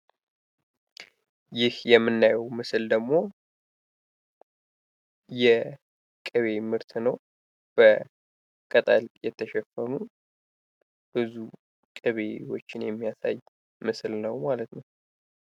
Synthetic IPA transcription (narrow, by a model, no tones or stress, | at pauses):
jɪhjɛmːɨnːajɛwmɨsɨld̪əɡmo̞ | jɛ | kʼɨβe̞mɨɾt̪ʰnəw | b̥ə | kʼət̪ʼaljɛt̪ʰːəʃɛfːənu | b̥ɨzu | kʼɨβe̞wo̰t͡ʃːɪnjɛmːijasa̰j | mɨsɨlnəwmalət̪nəw